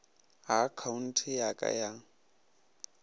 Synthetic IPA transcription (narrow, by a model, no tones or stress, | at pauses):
akʰaun̩tʰɪjakʼa̰jaŋ̩